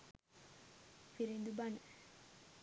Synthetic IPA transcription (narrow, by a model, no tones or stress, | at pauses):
fiɾind̪ubanə